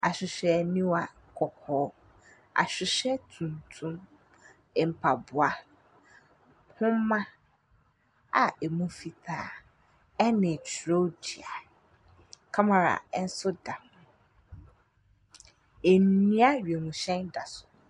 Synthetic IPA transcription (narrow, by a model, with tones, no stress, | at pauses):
a˨ɕᶣɪ˨ɕᶣɛ˨nĩ˦wa˨ | kʰɔ˨kʰɔː˨˦ | a̰˨ɕᶣɪ˨ɕɛ˦tʰũ˨ntʰũ˦m | ɛ˨m̩˨pʰa˨bʊ˨a˨ | hʊ̃˦mã˦ | a̰˨e˨mũ˦fi˨tʰaː˨ | ɛ˦nɪ̃˨t͡ɕʰɾo˦di˨a˨ | kʰa˦mã˨ɾa̰˨ɛ˦n̩˦sʊ˦da˨hʊ̃˨ | e˨nnːĩ˦a˦ɥe˨nũ˨ɕɛ̃˦nda˨sʊ̥˨